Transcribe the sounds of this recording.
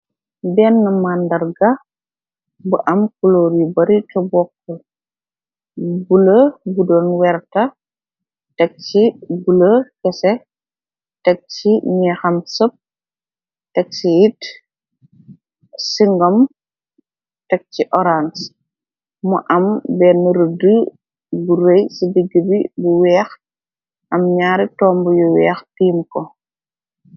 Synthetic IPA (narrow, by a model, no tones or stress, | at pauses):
bɛnːɐmandɐɾɡɐ | buʔɐmkuloɾibɐɾitɔbɔkːə | buləbudɔnwɛɾtɐ | tɛk̚t͡ʃibuləkɛsɛ | tɛk̚t͡ʃiɲɛxɐmsəp̚ | tɛk̚sijit | siŋɡɔm | tɛk̚t͡ʃiʔɔɾans | muʔɐmbɛnəɾudu | buɾejsidəɡːəbibuwɛːx | ʔɐmɲaːɾitɔːmbujuwɛːxtiːmkɔ